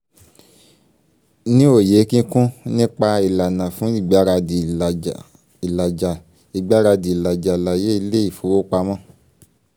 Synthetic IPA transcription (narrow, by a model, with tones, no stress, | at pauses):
nĩ˦o˦˨je˨˦kĩ˦kũ˦nĩ˦k͡pa˧i˨la˨nã˨fũ˨˦i˦˨ɡ͡ba˨˦ɾa˧˨ | i˨la˨d͡ʒa˨ | i˨ɡ͡ba˨˦ɾa˧di˨i˨la˨d͡ʒa˨la˨je˨˦i˧le˦i˦˨fo˨˦o˦k͡pa˧mã˦˨